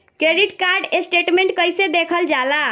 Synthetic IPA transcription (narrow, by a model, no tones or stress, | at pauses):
kɾeɖiʈkaɾɖesʈeʈmẽɳʈkəjsed̪ekʰəld͡ʒala